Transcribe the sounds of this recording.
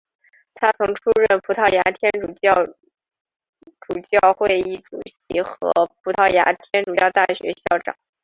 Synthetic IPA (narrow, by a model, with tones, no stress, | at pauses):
t̪ʰa˥t͡sʰʊ˧˥ŋʈ͡ʂʰu˥ɻə˥˩npʰu˧˥t̪ʰɑ˥˩ʊja˧˥t̪ʰjɛ˥n˨˩˥ | ʈ͡ʂu˨˩t͡ɕjɑ˥˧ʊxwe˥˧ɪi˥˩ʈ͡ʂu˨˩ɕi˧˥xɤ̰˧˥pʰu˧˥t̪ʰɑ˥˩ʊja̰˧˥t̪ʰjɛ˥nʈ͡ʂu˨˩jɑ˥˧ʊt̪a˥˩ɕɥɛ̰˧˥ɕjɑ˥˩ʊʈ͡ʂɑ̰˨˩˦ŋ